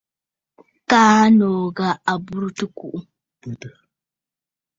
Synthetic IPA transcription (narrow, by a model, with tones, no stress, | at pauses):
kaː˦noː˨ɣa˨a˨bu˦ɾu˦tu˦ku˨ʔu˦˨